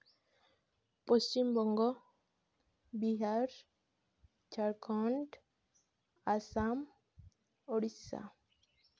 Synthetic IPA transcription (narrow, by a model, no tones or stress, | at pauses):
pɔst͡ɕimbɔŋɡɔ | biɦaɾ | t͡ʃʰaɾkʰɔɳɖ | asam | ɔɽisa̰